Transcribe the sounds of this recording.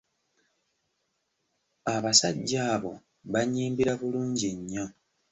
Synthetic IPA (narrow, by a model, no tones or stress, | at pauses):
aβasaɟːaːβo̞̰ | βaɲiːmbiɾaβuluːɲɟiɲːo̞